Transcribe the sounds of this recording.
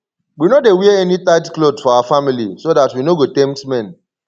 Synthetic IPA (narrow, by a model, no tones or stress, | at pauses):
winodewɛɛɛnitaɪdklodfɔawafamilḭsodatwinoɡotɛ̃mtmɛ̃n